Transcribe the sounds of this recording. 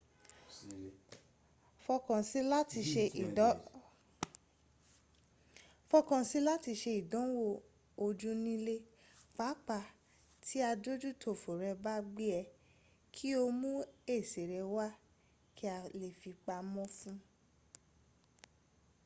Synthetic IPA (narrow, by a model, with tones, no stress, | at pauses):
fɔ˧kɔ̃˨si˦la˦ti˧ʃe˧i˨˦ | fɔ˧kɔ̃˨si˦la˦ti˧ʃe˧i˨dɔ̃˨˦wo˦˨ | o˧d͡ʒũ˦nĩ˦le˦ | fa˨˦k͡pa˧˨ | tʰi˦a˧do˦d͡ʒu˦tʰo˨fo˨ɾɛ˧ba˦ɡ͡bi˦ɛ˧ | kʰi˦o˧mũ˦e˦˨se˨ɾɛ˧wa˦ | ki˦a˧le˨fi˧k͡pa˧mɔ̃˦fũ˦